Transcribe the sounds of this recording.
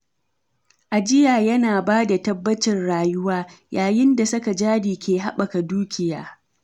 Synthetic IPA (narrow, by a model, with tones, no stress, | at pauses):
ʔa˨d͡ʒɪ˦jaː˨jɐ˦naː˨baː˦da˨tɐ˦bːɐ˦t͡ʃɪ˨nɽaː˨jʊ˦waː˦jaː˨jɪ˦nda˨sɐ˦ka˨d͡ʒaː˦diː˨kʲeː˨ɦa˦ɓɐ˨ka˨duː˦kʲʰɪ˨ja̰ː˦